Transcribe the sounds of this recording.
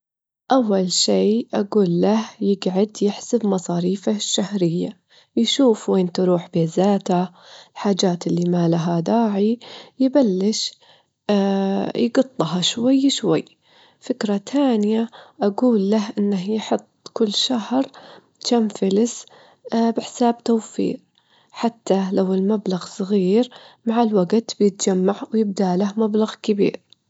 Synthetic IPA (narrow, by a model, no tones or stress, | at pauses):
ʔawːalʃeːʔaɡuːlːahjɪɡʕad̪jɪħsɪbmɑsˤɑːɾiːfaʃːahɾɪjːa | jʃuːfweːnt̪ɑɾˤuːħbeːzaːt̪a | ɪlħaːd͡ʒaːt̪ɪlːimalaɦad̪aːʕijɪbalːɪʃ | jɡɑt̪ˤːɦɑʃwajːʃwajː | fɪkɾˤat̪ʰaːnɪjaʔaɡuːlːaɦʔɪnːɪhjħɨt̪ˤːkʊlːʃahɾˤ | t͡ʃamfɪlɪs | bɪħɪ̥saːbt̪awfḭːq̚ | ħat̪ːalawɪlmablaɣsˤɣiːɾmaʕɪlwaɡt̪bjɪt̪d͡ʒamːaʕwjɪb̚d̪alahmablaɣkɪbḭːɾ